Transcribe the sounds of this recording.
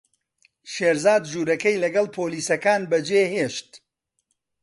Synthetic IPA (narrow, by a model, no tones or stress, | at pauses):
ʃeːɾzaːd̪ʒuːɾɐkɐjlɐɡɐlˠpʰoːliːsɐkaːnbɐd͡ʒeːɦeːʃt̪